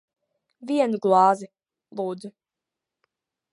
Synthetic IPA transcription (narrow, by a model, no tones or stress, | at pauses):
viɛnɡlˠɑːzi | lˠuːd̪zu